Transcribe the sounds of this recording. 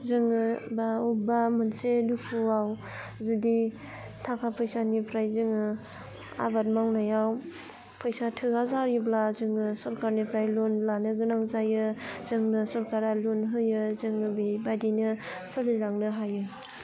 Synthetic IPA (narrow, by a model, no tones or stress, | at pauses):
zɯŋɯbaubamɯnsedupʰuaw | zudi | tʰakʰapʰɯjsanipʰɾajzɯŋɯ | a̰bat̚mawnajaw | pʰɔjsatʰɯazaɾjɯblazɯŋɯsɔɾkaɾnipʰɾajlonblanɯɡɯnaŋzajɯzɯŋnɯsɔɾkaɾalonɦɯjɯzɯŋɯbibajdinɯ | sɯliɾaŋnɯɦajɯ